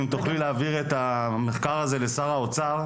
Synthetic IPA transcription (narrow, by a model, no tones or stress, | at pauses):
imt̪uχlileaːviʁet̪ame̞χkaʁaze̞le̞saʁaot͡saʁ